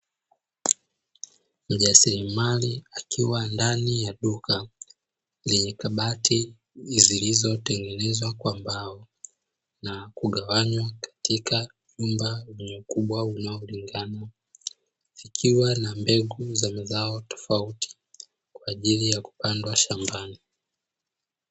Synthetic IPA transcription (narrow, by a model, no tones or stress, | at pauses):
m̩ʄasiɾimaliakʰiwandanijaɗuka | lɛɲɛkaɓatʰi | zilizɔtɛŋɡɛnɛzwakwambaɔ | nakuɠawaɲwakḁtika | ɲumbalɛɲɛukuɓwaunaɔliŋɡana | ikʰiwanambɛɡuzamazaɔtɔ̥fauti̥ | kwaːʄilijaku̥pandwaʃambani